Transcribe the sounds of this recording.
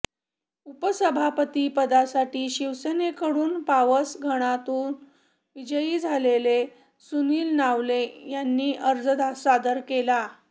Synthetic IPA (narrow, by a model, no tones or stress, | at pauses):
upəsəbʱapət̪ipəd̪asaʈiːɕiʋsənekəɽuːnpaʋəsɡʱəɽ̃at̪uːn | ʋid͡ʑəjiːd͡zʱalele | suniːlnaʋlejanːiːʔəɾd͡zəd̪ʱasad̪əɾkela